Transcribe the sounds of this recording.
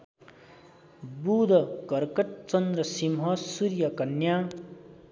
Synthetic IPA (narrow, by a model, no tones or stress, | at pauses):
bud̪ʱʌkʌɾkʌʈt͡sʌnd̪rʌsimɦʌsuɾjʌkʌnja